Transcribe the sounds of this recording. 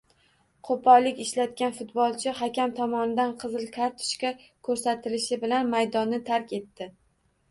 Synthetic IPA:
qʰopʰɒlːɪkʲɪʃlat̪̚kʲanfʊt̪̚bɒlˠt͡ʃʰɪhakʲamt̪ʰɒmɒnɪd̪anqʰɨzɨlˠkʰʲaɾt̪ʰʊ̥ʃkʲa | kʰɵɾsat̪ʰɪlɪʃɪbɪlanmajd̪ɒnːɪt̪ʰaɾkʲe̞t̪ːɪ

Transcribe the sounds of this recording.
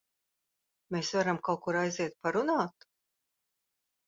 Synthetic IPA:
meːsvaɾamkawkuɾajziɛt̪̚paɾunaːt̪

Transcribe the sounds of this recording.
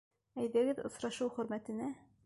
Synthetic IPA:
æjðæɡɘðŏ̰sɾɑʃuwχɵ̆ɾmæt̪ɘ̆næ

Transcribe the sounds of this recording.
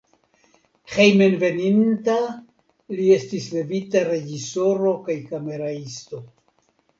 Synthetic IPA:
hejmenve̞ninta | lie̞stisle̞vitaɾe̞d͡ʒiso̞ɾo̞kajkame̞ɾaisto̞

